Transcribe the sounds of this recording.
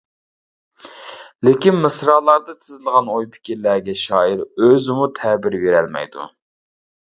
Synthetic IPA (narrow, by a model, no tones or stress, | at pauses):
lɪkʲinmɨsɾɑːlˠɑɾd̪ɨt̪ʰɪzɪlˠəʁɑnojpʰi̥kʲiɾlæɾɡʲɛʃɑːiɾøzɪmut̪ʰɛbiɾbeɾɛ̰lmɛ̰jd̪ṵ